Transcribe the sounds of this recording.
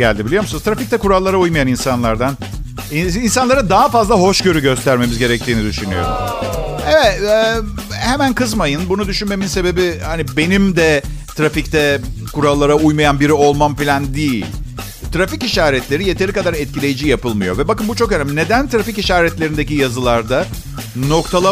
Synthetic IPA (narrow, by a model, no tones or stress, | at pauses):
ɟæ̰lʲd̪ibilʲijo̞ɾmusɯnɯzt̪ʰɾafict̪ɛkuɾalˠːaɾaujmajaninsanlˠaɾd̪an | iinsanlˠaɾad̪aɦafazlˠaɦo̞ʃɟø̞ɾyɟø̞st̪ʰæɾme̞mizɟe̞ɾɛc̚t̪ʰiːnid̪yʃynyjo̰ɾṵmɛvɛt̪ɛhemænkʰɯzmajɯnbunud̪yʃynme̞minse̞be̞bihanibe̞nimd̪ɛ | t̪ʰɾafict̪ɛkuɾalˠːaɾaujmajanbiɾio̞lˠmamfilʲand̪ijilʲ | t̪ɾaficiʃaːɾɛt̪lʲe̞ɾije̞t̪ʰe̞ɾikad̪aɾɛt̪̚cilʲe̞jid͡ʒijapɯlˠmɯjo̞̰vɛbakɯmbut͡ʃʰo̞kønæmne̞d̪ænt̪ɾaficiʃaːɾɛt̪lʲeɾind̪ecijazɯlˠaɾd̪a | no̞kt̪ʰalˠa